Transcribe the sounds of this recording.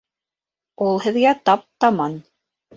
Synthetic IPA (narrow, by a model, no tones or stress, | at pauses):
ulˠhɘ̆ðɡæt̪ɑp̚t̪ɑmɑn